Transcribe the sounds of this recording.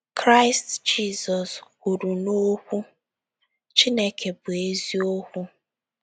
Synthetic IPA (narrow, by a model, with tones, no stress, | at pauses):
kɾa˦ɪ˦std͡ʒi˦zɔ˨s | u˨ɾu˨no˦hʷu˦ | t͡ʃi˦ne˦kʰe˨bʊ˨e˦zi˦o˦hʊ˦